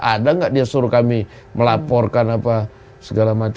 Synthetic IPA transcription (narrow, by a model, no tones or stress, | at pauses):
ʔadaŋɡaʔdiasuɾukami | məlapɔrkanapa | səɡalamat͡ʃ